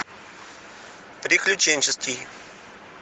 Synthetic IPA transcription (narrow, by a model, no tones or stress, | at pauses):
pɾʲɪklʲʊt͡ɕenʲt͡ɕɪstʲij